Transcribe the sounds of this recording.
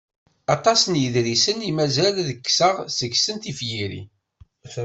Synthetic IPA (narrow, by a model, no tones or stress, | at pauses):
ɑt̪ˤɑsənjəðɾisənimæzælðəkːsəʁsəɡsənt̪ifjiɾḭ